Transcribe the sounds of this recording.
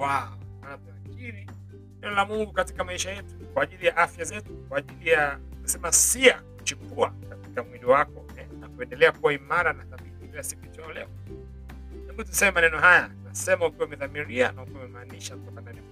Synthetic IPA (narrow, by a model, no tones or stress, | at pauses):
waɔatafkiɾi | nɛnɔlamuŋɡukatikamaiʃajɛtu̥kwaːʄilijaʔafjazɛtukwaːʄilijakisɛmasiakut͡ʃukuakati̥kamwiliwakɔ | ɛnakuɛndɛlɛakuwaimaɾanaθamiθikilasikuit͡ʃaɔlɛ̰ɔ | ɛmbutusɛmɛmanɛnɔɦajatunasɛmaukiwaumɛðamiɾia̰naukiwaumɛmaːniʃakutɔkananɛ